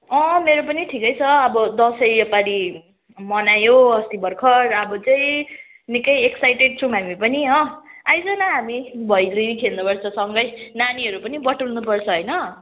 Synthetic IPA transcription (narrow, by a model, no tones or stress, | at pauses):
ʌmeɾopʌniʈʰikʌjt͡sʰʌʌbʌd̪ʌsʌjʌpaɾi | mʌnajoʌst̪ibʌrkʰʌɾʌbʌt͡sʌĩ | nikʌjeksajʈeɖ̚t͡sʰʌw̃ɦamipʌniʌ̃ajd͡zʌnaɦamibʱʌjlekʰelnupʌrt͡sʰʌsʌŋɡʌjnaniɦʌɾupʌnibʌʈulnupʌrt͡sʰʌɦʌjnʌ